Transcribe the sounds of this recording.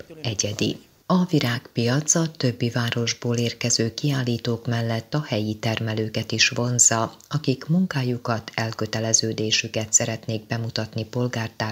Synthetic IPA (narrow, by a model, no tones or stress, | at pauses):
ɛɟɛd̪ḭ | ɒviɾaːkpijɒt̪sɒt̪ø̞bːivaːɾo̞ʒboːleːrkɛzøːkiaːlːiːt̪oːkmɛlːɛt̪ːɒhɛjit̪ɛrmɛløːkɛt̪iʃʋo̞nzɒɒkikmuŋkaːjukɒt̪ʰɛlkøt̪ɛlɛzøːd̪eːʃykɛt̪sɛɾɛt̪neːɡ̚bɛmut̪ɒt̪nipo̞lɡaːrt̪aː